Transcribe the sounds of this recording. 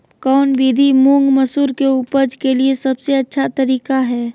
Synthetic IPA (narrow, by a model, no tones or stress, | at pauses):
kɔːnbiːd̪ʱimũŋɡməsuːɾkeupəd͡ʒkeliesəbseɐtːʃʰat̪əɾiːkaɦɛː